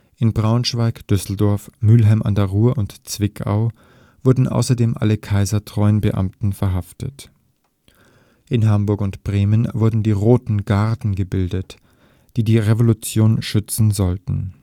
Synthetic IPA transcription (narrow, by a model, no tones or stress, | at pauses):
ʔɪnbʁaʊnʃv̥aɪkd̥ʏsl̩dɔɐfmyːlɦaɪmʔa̰ndɛɐʁuːəʔʊntt͡sv̥ɪkʰa̰ʊ | v̥ʊɐdn̩ʔa̰ʊsɐdeːmʔa̰ləkʰaɪzɐtʁ̥ɔʏənbəʔa̰mtn̩fɛɐɦaftət | ʔɪnɦambʊɐkʊntb̥ʁeːmənvʊɐdn̩diːʁoːtn̩ɡaʁtn̩ɡəbɪldət | d̥iːdiːʁevolut͡sjoːnʃʏt͡sn̩zɔltn̩